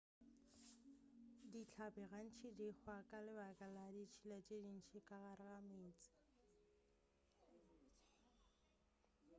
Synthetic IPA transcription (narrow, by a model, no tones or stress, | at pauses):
dit͡ɬʰabɛɣan̩t͡ʃʰɪdiχwakʼalɪbakʼaladit͡ʃʰilat͡ʃʼedin̩t͡ʃʰɪkʼaɣaɾɪɣameːt͡sʼɪ̥